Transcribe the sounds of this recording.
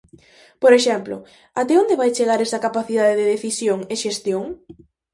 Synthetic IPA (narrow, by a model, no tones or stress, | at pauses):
poɾeʃɛmplo̰ | at̪ɛond̪eβajt͡ʃeɣaɾɛsɐkapaθiðaðeðeðeθisjoŋeʃest̪joŋ